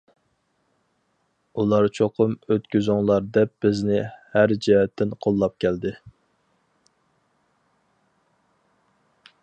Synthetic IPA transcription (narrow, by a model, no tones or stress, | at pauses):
ulˠɑɾt͡ʃʰoqʰʊmøt̪kʲyzʊŋlˠɑɾd̪ɛp̚b̥ɪznɪhæɾd͡ʒiɦɛt̪ʰːɪnqʰolˠːɑp̚kʲʰɛld̪ɪ